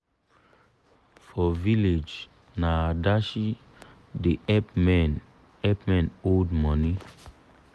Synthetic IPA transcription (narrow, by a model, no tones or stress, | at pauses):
fɔviled͡ʒ | nadaʃi | deɛmɛn | ɛpmɛ̃noldmɔ̃ni